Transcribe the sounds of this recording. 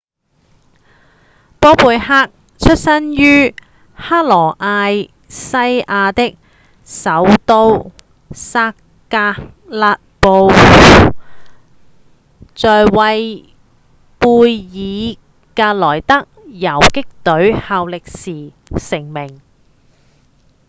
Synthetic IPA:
pɔː˥puː˨jɦaː˥k̚ | t͡ʃʰɵ˥t̚sɐ˥njyː˥ | haː˥t̚lɔː˨˩ʔaː˧j | sɐ˥jʔaː˧t̪ɪ˥k̚ | sɐ˨˥wt̪o˧w | saː˧kː | aː˧ | laː˧t̚po˧w | t͡sɔː˨jwɐ˧j | puː˧jjiː˨˧ | kaː˧t̚lɔː˨˩jt̪ɐ˥k̚jɐ˨˩wkɪ˥k̚t̪ɵ˨˥ɥhaː˨˧wlɪ˨k̚siː˨˩ | sɪ˨˩ŋmɪ˨˩ŋ

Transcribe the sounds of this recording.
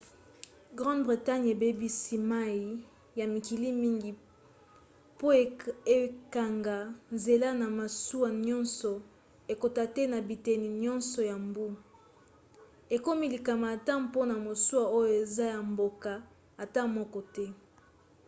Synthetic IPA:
ɡʁã˦ndbʁi˨ta˦ɲe˨be˦bi˦si˦ma˦ji˨ | ja˨mi˨ki˨li˦mi˦ŋɡi˨ | po˦e˨e˨ka˨ŋɡa˨nze˨la˦na˨ma˨su˦wa˨ɲɔ̃˦nsɔ˨ | e˨ko˨ta˦tɛ˦na˨bi˨te˨ni˨ɲɔ̃˦nsɔ˨ja˨mbu˦ | e˨ko˦mi˦li˨ka˨ma˨ta˦mpo˦na˨mo˨su˦a˦˨o˦jo˦˨e˨za˦ja˨mbo˨ka˨ | a˨ta˦mɔ˦kɔ˦tɛ˦

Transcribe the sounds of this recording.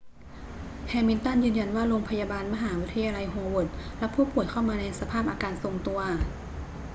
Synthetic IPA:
kʰɛː˧mi˧nt̪a˥˩njɯː˧nja˧nwaː˥˩ɾoː˧ŋpʰa˧jaː˧baː˧nma˧ɦaː˩˦wi˦˥t̪ʰːa˧jaː˧la˧jɦoː˧wo˨˩t̪̚lɛ˦˥pʰuː˥˩pu˨˩əjkʰa˥˩wmaː˧na˧jsa˧pʰaː˥˩p̚ʔaː˧kaː˧nso˨˩ŋt̪u˧ɐ

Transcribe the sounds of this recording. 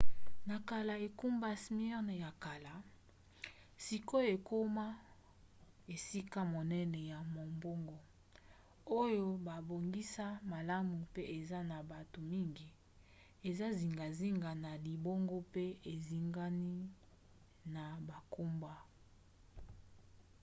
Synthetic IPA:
na˨ka˨la˨e˨ku˦mba˦sm˦ɛ˦ʁn˨ja˨ka˨la˨ | si˨ko˦e˨ko˦ma˦ | e˨si˦ka˦mo˨nɛ˦nɛ˨ja˨mo˨mbo˦ŋɡo˦ | o˦jo˦ba˨bo˨ŋɡi˦sa˦ma˨la˦mu˨pe˦ʔe˨za˦na˨ba˨to˨mi˦ŋɡi˨ | e˨za˦zi˨ŋɡa˨zi˦ŋɡa˨na˨li˨bo˦ŋɡo˦pe˦e˨zi˦ŋɡa˦ni˦ | na˨ba˨ku˦mba˦

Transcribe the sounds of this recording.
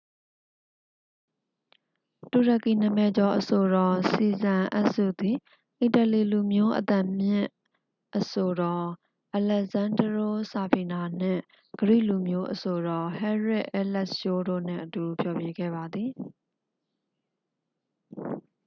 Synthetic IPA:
tu˨ɾa˨ki˨n̥ə̃˨mɛ˨d͡ʑɔ˨ʔəso˨ɾɔ˨si˨zã˨ʔa̰˦ʔsṵ˦˨d̪i˨ | ʔi˨tə˨li˨lu˨mjo˦ʔə̰t̪ã˨mjɪ̰̃˦ | ʔəso˨ɾɔ˨ | ʔa˨lɛ˨zã˨ndəɹo˦sa˨pʰi˨na˨n̥ɪ̰̃˦˨ | ɡ̥əɹḭ˦˨lu˨mjo˦ʔəso˨ɾɔ˨hɛ˦ɹɪ˦ʔɛ˦lɛ˦˨jo˦ɾo̰˦˨n̥ɪ̰̃˦˨ʔətu˨pʰjɔ˨bje˦ɡɛ̰˦˨ba˨d̪ði˨

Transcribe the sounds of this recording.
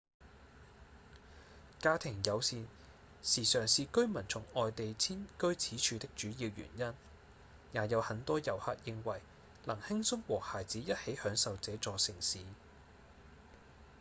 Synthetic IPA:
kaː˧t̪ʰɪ˨˩ŋjɐ˨˧wsiː˧n | siː˨˩sœː˨˩ŋsiː˨˧kɵ˥ɥmɐ˨˩nt͡sʰʊ˨˩ŋɔː˨jt̪e˨jt͡sʰiː˥nkɵ˥ɥt͡sʰiː˨˥t͡ʃʰyː˨˧t̪ɪ˥k̚t͡ʃyː˨˥jiː˧wjy̰ː˨˩njɐ˥n | jaː˨˥jɐ˨˧whɐ˨˥nt̪ɔː˥jɐ˨˩whaː˧t̚jɪ˧ŋwɐ˨˩j | lɐ˨˩ŋhɪ˥ŋsʊ˥ŋwɔː˨˩haː˨˩jt͡siː˨˥jɐ˥t̚he˨˥jhœː˨˥ŋsɐ˨wt͡sɛː˨˧˥t͡sɔː˨sɪ˨˩ŋsiː˨˦

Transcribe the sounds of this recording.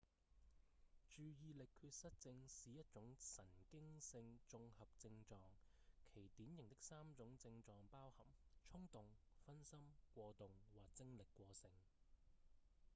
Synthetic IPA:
t͡ʃyː˨jiː˧lɪ˨kʰːyː˧t̚sɐ˥t̚t͡sɪ˧ŋsiː˨jɐ˥t̚t͡ʃʊ˨˥ŋsɐ˨˩nkɪ˥ŋsɪ˧ŋt͡ʃt͡sʊ˧ŋhɐ˨p̚t͡sɪ˧ŋt͡sɔː˨˧ŋ | kʰe˨˩jt̪iː˨˥njɪ˨ŋt̪ɪ˥k̚saː˥mt͡sʊ˨˥ŋt͡sɪ˧ŋt͡sɔː˨ŋpaː˥whɐ˨˩mt͡ʃʰʊ˥ŋt̪ʊ˨ŋ | fɐ˥nsɐ˥mkʷɔː˧t̪ʊ˨ŋwaː˨˩k̚t͡sɪ˥ŋlɪ˨kʷːɔː˧sɪ˧ŋ

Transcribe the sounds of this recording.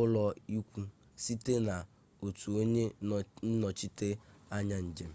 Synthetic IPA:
ʊ˦lɔ˦i˦kʷu˦ | si˦te˦na˨ | o˨tu˨o˦ɲe˦n̩˦nɔ˨t͡ʃi˦te˦a˦ɲa˦n̩˨d͡ʒe˨m̩˦

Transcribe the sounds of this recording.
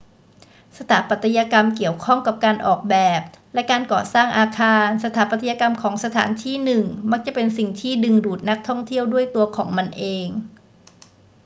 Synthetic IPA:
sa˧t̪ʰaː˩˦pa˨˩t̪ʰːa˧ja˧ka˧mki˨˩əwkʰɔ˥˩ŋka˨˩p̚kaː˧nʔɔ̰ː˨˩k̚bɛː˨˩p̚ | lɛ˦˥kaː˧nkɔː˨˩saː˥˩ŋʔaː˧kʰaː˧nsa˧t̪ʰaː˩˦˥pa˨t̪ʰːja˧ka˧mkʰɔː˩˦ŋsa˧t̪ʰa̰ː˩˦nt̪ʰiː˥˩nɯ˨˩ŋma˦˥k̚t͡ɕa˨˩pe˧nsi˨˩ŋt̪ʰiː˥˩dɯ˧ŋduː˨˩t̪̚na˦˥k̚t̪ʰɔ˥˩ŋt̪ʰi˥˩əwdu˥˩əjt̪u˧ɐkʰɔː˩˦ŋma˧nʔeː˧ŋ

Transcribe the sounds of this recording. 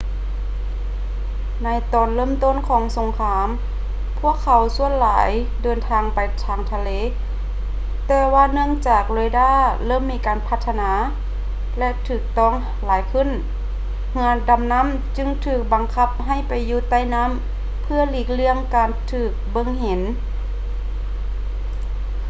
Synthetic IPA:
na˧˥jt̪ɔː˨˩nlɤː˧˥˨mt̪o˧˥˨nkʰɔː˨˦ŋso˨˧˦ŋkʰaː˧˦m | pʰu˧˥˩əkʰːa˨˧wsu˧˥ənlaː˨˦j | dɤː˨˧nt̪ʰaː˧ŋpa˨jt̪ʰaː˧˩ŋt̪ʰa˧leː˧˦ | t̪ɛː˧waː˧nɯ˧˥˧əŋt͡ɕaː˨˩k̚loː˧˦daː˧˥˩lɤː˧˥˨mːiː˧˥kaː˨npʰa˧t̪ʰːa˧naː˨˧˦ | lɛ˧ʔt̪ʰɯː˧˩k̚t̪ɔː˧˩˨ŋ | laː˨˦jkʰɯ˧˥˨n | ŋɯ˧nda˨˧˦mna˧˥˨m | t͡ɕɯ˧ŋt̪ʰɯː˨˩k̚ba˨˩ŋkʰa˧˩p̚ɦa˧˩jpa˨jːuː˧˩t̪a˧˩˨jna˧˥˨m | pʰɯ˧ɐliː˧˩k̚lɯ˧əŋkaː˨˧nt̪ʰɯː˨˩k̚bɤ˧˥ŋhe˨˦n

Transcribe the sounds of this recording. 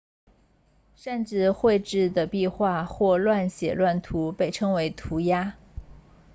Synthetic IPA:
ʂə˥˧nʈ͡ʂɻ̩˥˧xwe˥˧ɪʈ͡ʂɻ̩˥˩d̪ə˩pi˥˧xwa˥˧xwɔ˥˧lwa˥˩nɕjɛ˨˩lwa˥˩nt̪ʰu˧˥pe˥˩ɪʈ͡ʂʰɤ˥ŋwe˧˥ɪt̪ʰu˧˥ja˥

